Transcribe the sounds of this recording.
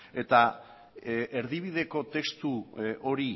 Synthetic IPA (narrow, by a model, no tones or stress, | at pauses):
e̞t̪a | e̞ɾðiβ̞ið̞e̞ko̞t̪e̞kst̪uo̞ɾi